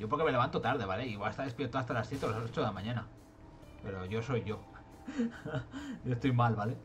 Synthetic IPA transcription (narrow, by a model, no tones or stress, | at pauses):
ʝo̞poɾkeme̞le̞βant̪ot̪aɾð̞e̞βaleiβaest̪aðepje̞ɾt̪oast̪alasθje̞t̪elaso̞t͡ʃoðelamãɲãna | pe̞ɾo̞ʝo̞so̞jʝo̞ | joest̪ojmalβale